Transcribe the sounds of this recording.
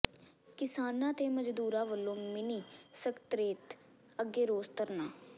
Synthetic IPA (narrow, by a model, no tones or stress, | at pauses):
kɪsaːnãːt̪eːməd͡ʒd̪uːɾãːʋəlːõːmɪniːsəkt̪ɾeːt̪ | əɡːeːɾoːst̪əɾnaː